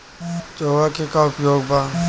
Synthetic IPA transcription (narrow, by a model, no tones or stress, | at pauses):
t͡ʃoːɡakekaʊpjoːɡba